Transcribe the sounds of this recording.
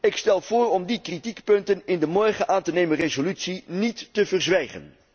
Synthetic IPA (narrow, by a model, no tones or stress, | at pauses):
ɪkstɛlˠv̥ʊːrɔmdikritikpɵntənɪndəmɔɹχəʔaːntənejmənrezolytsinitːəvərzʋɛjχə̰n